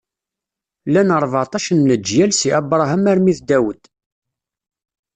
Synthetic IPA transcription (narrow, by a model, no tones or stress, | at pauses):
lænəɾˤvt̪ˤɑʃənnəd͡ʒːjælsiʔæbɾˤɑɦəmæɾmiθd̪æwəd̪